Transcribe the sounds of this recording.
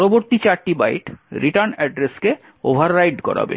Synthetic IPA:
ɾoboɾt̪it͡ɕaɾʈiba̰jʈɾiʈaɾnɛɖɾeske | obʱaɾːajʈkɔ̰ɾa̰bḛ

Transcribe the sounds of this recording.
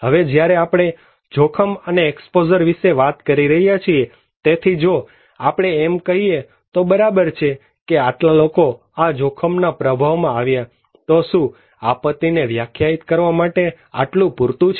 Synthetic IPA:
ɦəʋed͡ʒjaɾeapɽ̃e | d͡ʒokʰəməneːkspod͡ʒəɾʋiʃeʋat̪kəɾiɾəɦijat͡ʃʰie | t̪et̪ʰid͡ʒo | apɽ̃eːmkəɦie | t̪obəɾabəɾt͡ʃʰe | keaʈlaloko | ad͡ʒokʰəmnapɾəbʱaʋmãaʋja | t̪oʃũ | apət̪ːineʋjakʰjait̪kəɾʋamaʈe | a̰ʈlũpuɾt̪ũt͡ʃʰ

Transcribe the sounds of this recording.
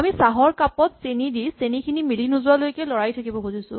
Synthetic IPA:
amisaɦɔɹkapɔtsenidisenikʰinimilinuzʊwalojkɛlɔɹajtʰakibɔkuzisʊ̃

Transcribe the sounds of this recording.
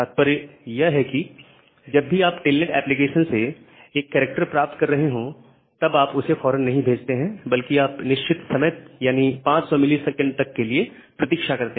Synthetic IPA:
aːt̪̚pɐɾjɐɦɛki | d͡ʒɐbːiaːpʈeːlneʈɛ̰ːplik̬eːʃənse | eːkːɛːɾɪk̚ʈəɾpɾaːp̚t̪kɐɾːɐɦeɦõ | t̪ɐbaːpʊsefɔːɾənːɐɦĩbʱeːd͡ʒt̪eɦɛ̃bɐlkiaːpnɪʃt͡ʃɪt̪sɐmjt̪̚jaːnipãːt͡ʃsɔmɪlisɛkə̃ɳɖ̚t̪ɐkːelie | pɾɐt̪iːkʃakɐɾt̪eɦ

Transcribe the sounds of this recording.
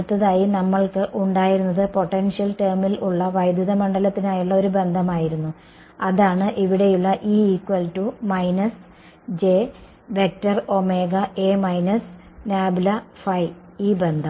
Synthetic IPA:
t̪ːɐðaːjinɐmːɐɭkɨʔuɳɖaːjiɾunːɐðɨpo̞ʈːenʂjɐlteːrmiluɭːɐʋɐjd̪juðɐmɐɳɖɐlɐt̪ːinaːjuɭːɐo̞ɾube̞nd̪ʱɐmaːjiɾunːu | ɐðaːɳɨʔiʋiɽe̞juɭːɐʔiːiːkːwɐltumɐjnɐs | d͡ʑe̞ | ʋe̞k̚tɐro̞me̞ːɡɐʔeːmɐjnɐs | naːbilɐfɐj | iːbe̞nd̪ʱɐ

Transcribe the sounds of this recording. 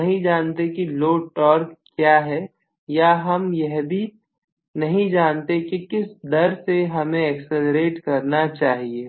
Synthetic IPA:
ɐɦĩd͡ʒaːnt̪ekiloːʈɔːɾkkːjaːɦɛ | jaɦɐmjɛɦbʱi | nɐɦĩd͡ʒaːnt̪ekikɪsd̪ɐɾseɦɐmẽɛkseləɾeːʈkɐɾnat͡ʃaːɦieː

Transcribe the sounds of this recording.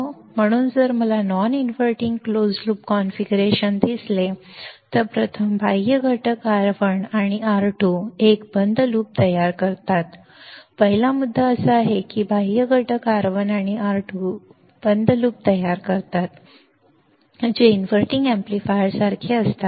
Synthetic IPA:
m̤əɽ̃uːnd͡zəɾməlanɔninʋəɾʈiŋɡklod͡zluːpkɔnfiɡuɾeɕənd̪isle | t̪əɾpɾət̪ʰəmbʱajəɡʱəʈəkaɾʋəɳaɽ̃iaɾʈʰuːekbənd̪ʱluːp̚t̪əjaɾkəɾt̪at̪ | pəɦilamud̪ʱːaəsəaɦekiːbʱajəɡʱəʈəkaɾʋəɳaɽ̃iaɾʈʰu | b̥ənd̪ʱluːp̚t̪əjaɾkəɾt̪at̪ | d͡ʑeinʋəɾʈĩŋɡɛ̃mplifajəɾsaɾt̪ʰiːəst̪a

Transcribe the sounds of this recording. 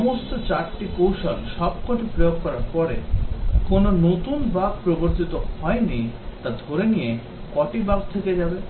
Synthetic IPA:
ɔmost̪ot͡ɕaɾʈikowʃonʃɔb̚kɔʈipɾejoɡkːɔɾaɾpɔɾekononot̪unbaɡ̚pɾoboɾt̪it̪ohɔenit̪ad̪ʱoɾenije | kɔʈibaɡ̚t̪ʰeked͡ʑabe

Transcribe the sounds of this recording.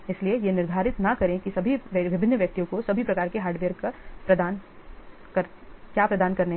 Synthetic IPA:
ɪsliejenɪɾd̪ʱaːɾɪt̪nɐkɐɾẽkisɐbʱiʋɪbʱɪnːəʋjɐk̚t̪ijõkosɐbʱipɾɐkaːɾkeɦaːɾɖʋeːɾkapɾɐd̪aːn | kɐɾ | kjaːpɾɐd̪aːnkɐɾne

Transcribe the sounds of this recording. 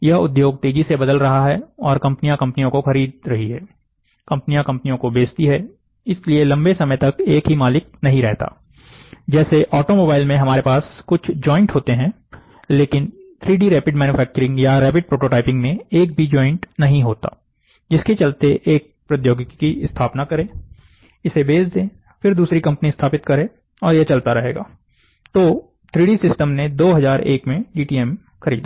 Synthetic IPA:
jɐʊd̪joːɡ̚t̪eːd͡ʒisebɐd̪əlɾɐɦaɦɛɔːɾkɐ̃mpnijãkɐ̃mpnijõkoxɐɾiːd̪ɾɐɦiɦɛː | kɐ̃mpnijãkɐ̃mpnijõkobeːst̪iɦɛː | ɪskelielɐ̃mbesɐməjt̪ɐkeːkɦimaːlɪk̚nɐɦĩɾɛɦt̪a̰ː | d͡ʒɛːseʔɔːʈomoːbaːɪlmẽɦɐmaːɾepaːskʊt͡ʃʰd͡ʒɔːɪ̃ɳʈɦoːt̪eɦɛ̃ː | leːkɪnt̪ʰɾiːɖiɾɛːpɪɖmɛːnufʰɛːk̚t͡ʃəɾɪ̃ŋɡjaɾɛːpɪɖ̚pɾoːʈoːʈaːɪpɪ̃ŋɡmẽeːk̚bʱid͡ʒɔːɪ̃ɳʈnɐɦĩɦoːt̪a̰ː | d͡ʒɪsket͡ʃɐlt̪eʔeːk̚pɾɐt̪joːɡkkiɪst̪ʰaːpnakɐɾẽː | ɪsebeːsd̪ẽː | fɪɾd̪uːsɾikɐ̃mpniɪst̪ʰaːpɪt̪kɐɾẽː | ɔːɾjet͡ʃɐlt̪aɾɐɦḛːɡa̰ː | t̪oː | t̪ʰɾiːɖisɪsʈəmned̪oːɦɐzaːɾeːkmẽɖiːʈiːɛm | xɐɾḭːd̪a

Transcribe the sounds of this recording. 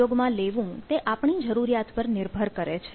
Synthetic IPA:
oɡmãleʋũt̪eʔapɳid͡ʒəɾuɾjat̪pəɾnɪɾbʱəɾkəɾet͡ʃʰe

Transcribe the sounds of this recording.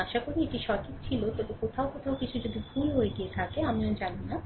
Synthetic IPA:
aʃakoɾieʈiʃɔkit̪t͡ɕʰilot̪ɔbekot̪ʰaokot̪ʰaokit͡ɕʰud͡ʑod̪ibʱulɦoeɡiet̪ʰakeamiand͡ʑanina

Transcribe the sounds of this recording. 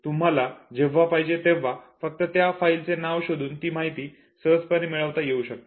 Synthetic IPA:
t̪um̤alad͡ʑeʋːapaɦid͡ʑet̪eʋ̤ːafək̚t̪ət̪jafailt͡senaʋɕod̪ʱuːnt̪iːmaɦit̪iː | səd͡zpəniːmiɭəʋt̪ajeuɕək̚t̪ḁ

